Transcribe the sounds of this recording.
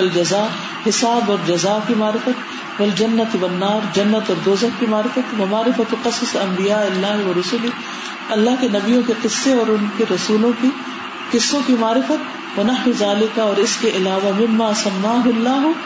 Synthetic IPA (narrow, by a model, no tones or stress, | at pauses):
ɐld͡ʒɐzaː | hɪsaːbɔːɾd͡ʒɐzaːkimaːɾɪfət̪ | wɐld͡ʒɐnːɐt̪wɐnːaːɾd͡ʒɐnːɐt̪ɔːɾd̪oːzɐkkimaːɾɪfət̪wɐmaːɾɪfɐt̪qɐssɐ̃mbɪjaːɪlːaːɦʋɐɾʊsʊli | ɐlːaːɦkenɐbijõkeqɪsːeɔːɾʊnkeɾɐsuːlõki | qɪsːõkimaːɾɪfət̪̚ | wɐnɐħizaːlɪkaɔːɾɪskeʔɪlaːʋamɪmːaːsɐmːaːɦʊlːaːɦʊ